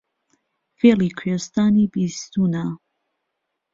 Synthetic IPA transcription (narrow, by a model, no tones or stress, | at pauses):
felikʰest̪aːnibist̪uːna